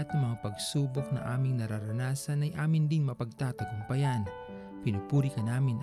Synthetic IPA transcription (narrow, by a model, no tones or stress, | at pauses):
ɐt̪ɐŋmɐŋapɐɡsuːbok̚nɐ̰ʔaːmɪŋnɐɾaɾɐnaːsɐnɐjʔaːmɪnd̪ɪŋmɐpɐɡ̚t̪aːt̪ɐɡ̪ʊmpɐjan | pɪnʊpuːɾikɐnaːmɪn